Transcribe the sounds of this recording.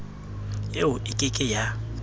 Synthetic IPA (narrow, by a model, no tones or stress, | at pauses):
jeʊʔɪkʼɪkʼɪja